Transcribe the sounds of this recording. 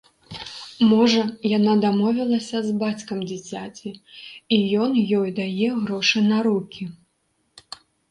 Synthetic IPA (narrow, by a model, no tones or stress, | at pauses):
mɔʐɐjanad̪amɔvʲilˠɐsʲɐzbat͡sʲkɐmd͡zʲit͡sʲat͡sʲiijɔnjɔjd̪ajɛɣɾɔʂɨnɐɾukʲi